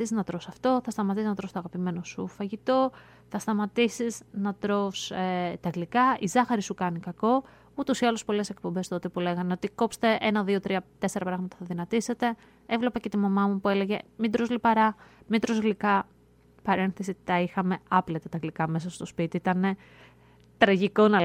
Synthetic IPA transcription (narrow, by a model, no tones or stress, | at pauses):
isziznɐt̪ɾosɐft̪o̞θɐst̪ɐmɐt̪isiznɐt̪ɾofst̪̞ɐɣɐpime̞no̞sufɐʝit̪o̞ | θɐst̪ɐmɐt̪isiznɐt̪ɾo̞fst̪ɐɣlikɐizɐxɐɾisukɐnikɐko̞ | ut̪usiɐluspo̞le̞se̞k̚po̞mbe̞st̪oot̪epule̞ɣɐneo̞t̪iko̞pst̪e̞ʔenɐðio̞t̪ɾiɐt̪e̞se̞ɾɐpɾɐɣmɐt̪ɐθɐðinɐt̪ise̞t̪e̞ | evle̞pɐce̞t̪imɐmɐmupue̞le̞ʝe̞mid̪ɾo̞zlipɐɾɐmid̪ɾo̞zɣlikɐ | pɐɾe̞nθesit̪ɐixɐme̞ɐplet̪et̪ɐɣlikɐme̞sɐst̪o̞spit̪iit̪ɐne̞ | t̪ɾɐʝiko̞nɐ